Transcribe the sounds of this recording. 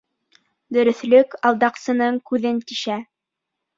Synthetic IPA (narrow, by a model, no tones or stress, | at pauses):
d̪ɵ̆ɾɵ̆θlɵkɑlˠd̪ɑqsɤ̆nɤɴkʉðɘnt̪iʃæ